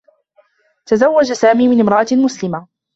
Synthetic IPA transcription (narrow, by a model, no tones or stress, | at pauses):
t̪azawːad͡ʒasaːmiːmɪnɪmɾˤɑʔamʊslɪma